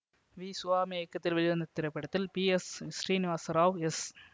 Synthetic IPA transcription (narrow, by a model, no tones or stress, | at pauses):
ʋiːsʊʋaːmieːkːɐt̪ːɪlʋɐɭɪʋɐnd̪ɐt̪ːɪɾɐpːɪɽɐt̪ːɪlpiɛssɾiːnɪʋaːsɐɾaːʋɛs